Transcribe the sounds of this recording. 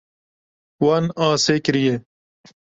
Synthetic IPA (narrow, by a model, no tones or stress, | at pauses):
waːnãːseːkɾije